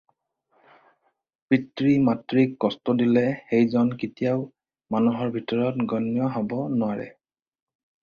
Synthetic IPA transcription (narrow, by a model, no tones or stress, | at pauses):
pɹitɹimatɹikːɔstɔdilɛxejzɔnkitijaʊ | manuɦɔɹbʱitɔɹɔtɡɔnjɔɦɔbɔnɔwaɹɛ̰